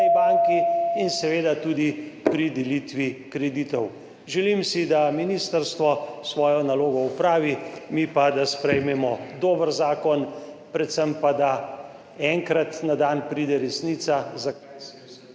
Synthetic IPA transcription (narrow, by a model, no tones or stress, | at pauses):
ibaŋkiːnsɛʋeːd̪at̪uːd̪ipɾid̪ɛliːt̪ʋikɾɛd̪it̪ɔw | ʒɛlimsid̪aminiːst̪əɾst̪ʋɔsʋɔːjɔnaloːɡɔupɾaːʋimipad̪aspɾɛjmɛmɔd̪oːbəɾzaːkɔn | pɾɛt̪səmpad̪a | ɛŋkɾat̪nad̪aːnpɾiːd̪ɛɾɛsniːt̪saza